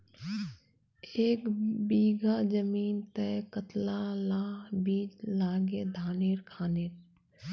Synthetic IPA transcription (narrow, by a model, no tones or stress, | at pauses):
eːkbiːɡʱad͡ʒəmiːnt̪ɛkət̪lalaːbiːd͡ʒlaːɡed̪ʱaːneːɾkʰaːneːɾ